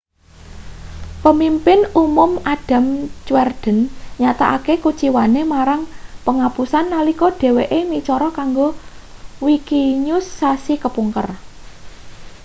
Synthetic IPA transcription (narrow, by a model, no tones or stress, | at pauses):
pəmimpɪnumʊmaɖ̥a̤mt͡ʃwɛrd̪̥ə̤nɲat̪aʔakekut͡ʃiwanemaɾaŋpəŋapusanːalikɔɖ̥e̤weʔemit͡ʃɔɾɔkaŋɡo | wikiɲʊsːasikəpuŋkə̰r